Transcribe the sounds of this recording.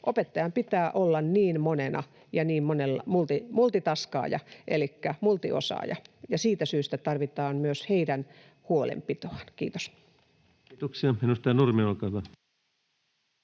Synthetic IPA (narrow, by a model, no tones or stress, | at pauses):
ʔopet̪ːɑjɑmpit̪æːʔolːɑnniːnmonenʔɑ̰ | jɑniːmmonelːɑmult̪imult̪it̪ɑskɑ̰ːjɑ̰ʔelikːæmult̪io̰sɑ̰ːjɑ̰jɑsiːt̪æsyːst̪æt̪ɑrʋit̪ɑːnmyøsheidæn | huolḛmpit̪oɑnkiːt̪o̥s | t̪uksiɑenust̪ɑjɑnurmiolkɑlɑ